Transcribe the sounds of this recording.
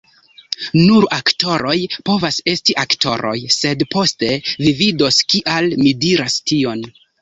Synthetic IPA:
nuɾakto̞ɾo̞jpo̞vase̞stiʔaktʰo̞̰ɾo̞̰jse̞dpo̞ste̞vivido̞skiʔalmidiɾastio̞n

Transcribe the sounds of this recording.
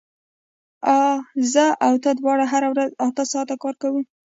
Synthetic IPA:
ɑzəawt̪əd̪wɑɽaɦaɾawɾazat̪əsɑt̪akɑɾkawi

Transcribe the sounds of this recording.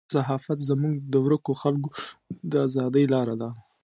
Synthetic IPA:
saɦɑfat̪zamuɡd̪əwɾəkoxalɡod̪əazɑd̪əjlɑɾad̪a

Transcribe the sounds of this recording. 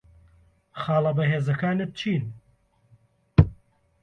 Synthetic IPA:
χɑːlˠɐbɐɦeːzɐkaːnɨt̪̚t͡ʃʰiːn

